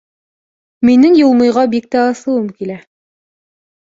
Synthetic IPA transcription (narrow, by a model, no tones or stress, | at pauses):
minɘŋjulˠmɤ̆jʁɑbik̚t̪æɑθɤ̆wɤmkilæ